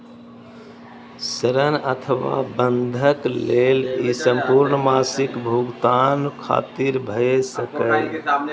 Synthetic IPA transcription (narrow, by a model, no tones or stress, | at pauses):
səɾənət̪ʰəʋa̰bənd̪ʱəklelisə̃mpuɾɳəmaːsikbʱuɡt̪ankʰa̰ːt̪iɾbʱəesəkəj